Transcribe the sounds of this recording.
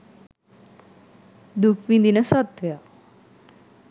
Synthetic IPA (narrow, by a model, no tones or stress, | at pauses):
d̪ukʰʋind̪inəsat̪ʋeja